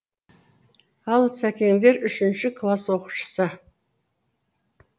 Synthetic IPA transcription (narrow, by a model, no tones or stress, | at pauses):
ɑlˠsækʲe̞ŋd̪e̞ɾʏʃɪnʃɪkʰlˠaswo̞qu̥ʃə̥sə